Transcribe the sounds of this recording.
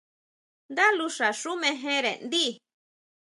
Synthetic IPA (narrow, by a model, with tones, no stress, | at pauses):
nd̪a˦lu˧ʂa˨ʂu˦mẽ˧ɦẽ˦ɾḛ˨nd̪i˦˨